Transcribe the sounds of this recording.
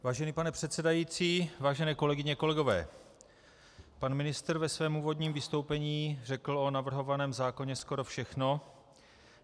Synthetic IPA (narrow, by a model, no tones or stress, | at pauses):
vaːʒɛniːpanɛpr̥ɛt̪sɛdajiːt͡siːvaːʒɛnɛːko̞lɛɡɪɲɛko̞lɛɡo̞vɛ̰ː | panmɪnɪst̪rvɛsvɛːmuːvo̞dɲiːmvɪst̪o̞wpɛɲiːr̝ɛkl̩o̞navr̩ɦo̞vanɛːmzaːko̞ɲɛsko̞ɾo̞fʃɛxno̞